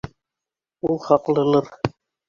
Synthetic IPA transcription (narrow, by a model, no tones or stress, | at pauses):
ulˠχɑqlˠɤ̆lˠɤɾ